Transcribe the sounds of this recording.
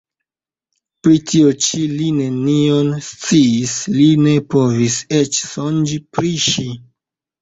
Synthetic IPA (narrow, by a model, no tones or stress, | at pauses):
pɾitʰiot͡ʃiline̞nionst͡siːsline̞po̞viset͡ʃsond͡ʒipɾiʃi